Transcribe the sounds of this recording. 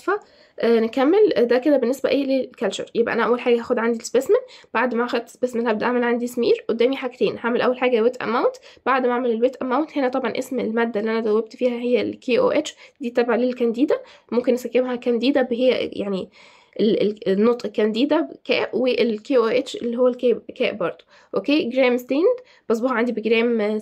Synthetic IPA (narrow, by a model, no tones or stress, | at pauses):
fæ | ʔnekæmːeld̪æked̪æbenːesbæ̰ʔeːlelkælʃɑ̰ɾˤjebʔæ̰næʔæwːælħaːɡæhæxod̪ʕand̪ilsbesmænb̥aʕd̪mææxod̪̚t̪sbeːsmænhæbd̪æʔaʕmælʕand̪ismḭːɾʔod̪ːæːmiħakt̪eːnhaʕmelʔæwːælħaːɡæwet̪ʔæ̰mæwnt̪b̥aʕd̪mæʕamelelwet̪ʔæ̰mæwnt̪henæt̪ˤɑbʕɑnʔḛsmelmæːd̪ːælːiʔænæd̪æwːæb̚t̪fiːhæhejːælkʰeʔo̰ʔet͡ʃd̪iːt̪æbʕalelkænd̪iːd̪æ | momkenæsækːemhækænd̪iːd̪æbeɦejːæ̰jaʕni | ʔelelnːot̪ˤʔekænd̪iːd̪ækæ̰ːʔweʔelkeʔoʔet͡ʃḛlːiːhowːælkæːkæːʔbɑɾˤd̪̥ˤo | ʔokeːɡɾæːmst̪iːnd̪ | b̥ɑs̬ˤbohʕand̪ibeɡɾæːm